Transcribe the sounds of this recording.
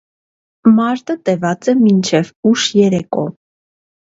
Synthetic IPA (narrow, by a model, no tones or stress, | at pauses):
mɑɾt̪ət̪ɛvɑt͡sɛmint͡ʃʰɛvuʃjɛɾɛkɔ̰